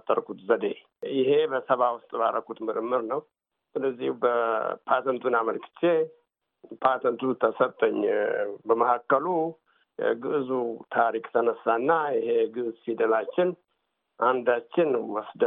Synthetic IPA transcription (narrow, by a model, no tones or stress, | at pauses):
t̪ʼːə̰ɾkʰut̪zəd̪e | jɪɦe̞bəsəβawʊst̪ʼbaɾəkut̪mɨɾɨmːɨɾnəw | sɨlːəzːihubəpʰat̪ʰənt̪ʰunaməlkɨ̥t͡ʃːe | pʰat̪ʰənt̪ʰut̪ʰəsət̪ʼːəɲːbəməhakːəlu | jɛ̰ɡɨʔzut̪ʰaɾikʼt̪ʰənəsːanːajɪheɡɨʔzfid̪əlat͡ʃːɪn | ʔand̪at͡ʃːɪnwɔsd̪ə